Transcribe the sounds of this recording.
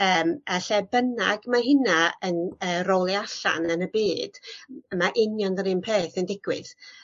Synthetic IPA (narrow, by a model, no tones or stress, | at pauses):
əːmaɬɛbənaɡmaɦɪnaənəːrɔlˠiaɬa̰nənəbiːd̥əmaʔɪnjɔnðəɾɪnpʰeːθəndɪɡ̥wɪ̰ð